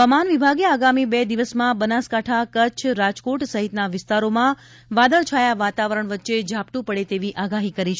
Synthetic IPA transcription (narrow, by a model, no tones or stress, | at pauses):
amanʋibʱaɡeaɡamibɛd̪iʋəsmãbənaskaʈʰakət͡ʃʰɾad͡ʒkoʈsəɦit̪naʋɪst̪aɾomã | ʋad̪əɭt͡ʃʰajaʋat̪aʋəɾəɳʋətːʃed͡ʒʱapt̪ũpəɽet̪eʋiʔaɡaɦikəɾit͡ʃʰ